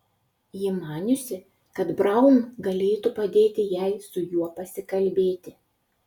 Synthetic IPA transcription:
jɪmɑːnʲʊsʲɪ | kɐt̪bɾɐˑʊnɡɐlʲeːt̪upɐd̪ʲeːt̪ʲɪjæɪsʊjuɔpɐsʲɪkɐlʲbʲeːt̪ʲɪ

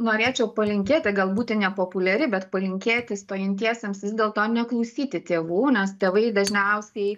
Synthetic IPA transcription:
noːɾʲeːt͡ʃʲɛʊpɐlʲɪŋʲkʲeːt̪ʲɪɡɐlˠbuːt̪ʲɪnʲɛpoːpʊlʲɛɾʲɪbʲɛt̪pɐlʲɪŋʲkʲeːt̪ʲɪst̪oːjɪnʲt̪ʲiɛsʲeːmsʋʲɪzdʲeːlˠt̪oːnʲɛklˠɐʊsʲiːt̪ʲɪt̪ʲeːʋuːnʲɛst̪ʲeːʋɐɪd̪ɐʒʲnʲɛʊsʲɛɪ

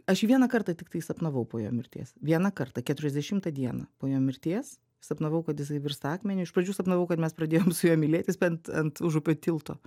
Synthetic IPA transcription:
ɐʃiʋʲiɛnɐkɐrt̪ɐt̪ʲɪkt̪ɐɪsɐpnɐʋɐʊpoːjo̰ːmʲɪɾʲt̪ʲḛːsʋʲiɛnɐkɐrt̪ɐkʲɛt̪ʊɾʲɛzʲd̪ʲɛʃʲɪmt̪ɐd̪ʲiɛnɐ̰poːjoːmʲɪɾʲt̪ʲeɛs | sɐpnɐʋɐʊkɐt̪jɪs̬ɐɪʋʲɪrst̪ɑːkmʲɛnʲʊɪʃpɾɐd͡ʒʲuːsɐpnɐʋɐʊkɐt̪mʲɛspɾɐd̪ʲeːjoːmsʊjoːmʲɪlʲeːt̪ʲɪspʲɛnt̪ɐnt̪ʊʒʊpʲoːt̪ʲɪlˠt̪o̰ː

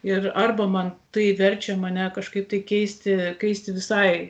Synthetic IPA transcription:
ɪrɐrbɐmɐnt̪ɐɪʋʲɛrʲt͡ʃʲɛmɐnʲɛkɐʃkɐɪp̚t̪ɐɪkʲɛɪsʲt̪ʲɪkʲɛɪsʲt̪ʲɪʋʲɪsɐɪ

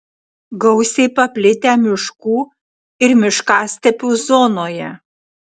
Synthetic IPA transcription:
ɡɒʊsʲɛɪpɐpʲlʲɪt̪ʲæːmʲɪʃkuː | ɪɾmʲɪʃkɑːsʲt̪ʲɛpʲuːzoːnoːjɛ

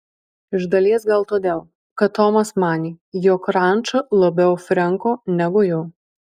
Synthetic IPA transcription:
ɪʒd̪ɐlʲiɛs̬ɡɐlˠt̪oːd̪ʲeːlˠ | kɐt̪ːɔːmɐsmɑːnʲiːjoːkɾɑˑnt͡ʃɐlˠɐbʲɛʊfʲɾʲɛŋkoːnʲɛɡʊjoː

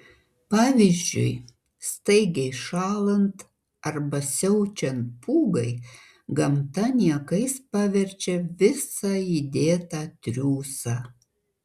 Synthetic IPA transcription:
pɑːʋʲiːzʲd͡ʒʲʊ̰ɪ | st̪ɐɪɡʲɛɪʃɑːlˠɐnt̪ | ɐɾbɐsʲɛʊt͡ʃʲɛnt̪̚pʰuːɡɐɪ | ɡɐmt̪ɐnʲiɛkɐɪspɑʋʲɛɾʲt͡ʃʲɛʋʲɪsɑid̪ʲeːt̪ɑːt̪ʲɾʲuːsɑː

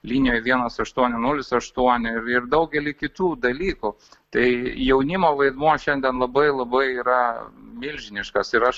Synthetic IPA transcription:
lʲiːnʲɪjoːjʋʲiɛnɐsɐʃt̪uɔnʲɪnʊlʲɪsɐʃt̪uɔnʲɪɪɾɪrd̪ɐʊɡʲɛlʲɪkʲɪt̪uːd̪ɐlʲiːkʊ | t̪ɐɪjɛʊnʲɪmoːʋɐɪd̪muɔʃʲɛnʲd̪ʲɛnlˠɐbɐɪlˠɐbɐɪiːɾɐmʲɪlʲʒʲɪnʲɪʃkɐsɪɾɐʃ

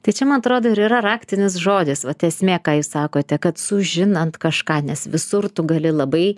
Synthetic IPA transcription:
t̪ɐɪt͡ʃʲɛmɐnɐt̪ɾoːd̪oːɪɾiːɾɐɾɑːkt̪ʲɪnʲɪs̬ʒoːd̪ʲɪsʋɐt̪ʲɛɛsʲmʲeːkɑːjuːssɑːkoːt̪ʲɛkɐt̪sʊʒʲɪnɐnt̪kɐʃkɑːnʲɛsʋʲɪsʊrt̪ʊɡɐlʲɪlˠɐbɐɪ

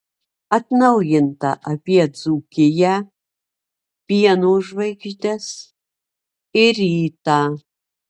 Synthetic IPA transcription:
ɐt̪nɐwjɪnt̪ɐ̰ʔɐpʲiɛd͡zukʲʰɪjɛ | piɛnoʒvɐjɡʒd̪ʲɛs | ɪriːta

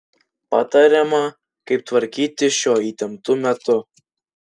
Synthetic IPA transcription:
pɑːt̪ɑɾʲɛmɐ | kɐɪp̚t̪ʋɐɾʲkʲiːt̪ʲɪʃʲoːit̪ʲɛmt̪ʊmʲɛt̪ʊ

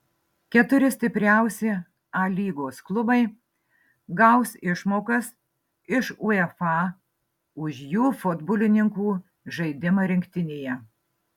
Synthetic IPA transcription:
kʲɛt̪ʊɾʲɪsʲt̪ʲɪpʲɾʲæˑʊsʲɪ | ɐlʲiːɡoːsklˠʊbɐɪ | ɡɐʊsɪʃmoːkɐs | ɪʃʊɛfɑ | ʊʃjuːfʊd̪bʊlʲɪnʲɪŋkuː | ʒɐɪd̪ʲɪmɐɾʲɪŋʲkʲt̪ʲɪnʲeːjɛ

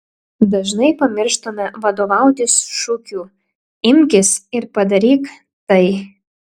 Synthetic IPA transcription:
d̪ɐʒnɐɪpɐmʲɪɾʃt̪omʲɛʋɐd̪oːʋɑˑʊt̪ʲɪsʃʊkʲuː | ɪmʲkʲɪsɪɾpɐd̪ɐɾʲiːk | t̪ɐɪ

